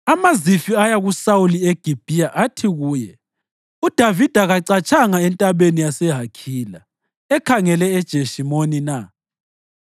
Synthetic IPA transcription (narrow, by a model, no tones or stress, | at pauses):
amazifiajaɣusawulieɡ̥ʱib̥ʱijaʔatʰiɣuːjɛ | ud̥ʱavid̥ʱaɣaǀat͡ʃʼaŋaɛntʼaβenijasɛɦakʰiːla̰ | ɛkʰaŋɛlɛɛd̥ʒ̥ʱeʃimonina